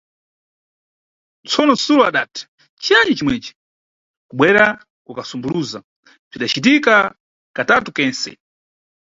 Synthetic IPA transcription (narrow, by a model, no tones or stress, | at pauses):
t͡sʰɔnɔsulɔaɗaːtʰḁ | t͡ʃiaɲd͡ʒit͡ʃimwɛt͡ʃi̥ | kuɓwɛɾa | kukasumbuluza | b͡ʐiɗat͡ʃitika | katatukɛnsɛ̰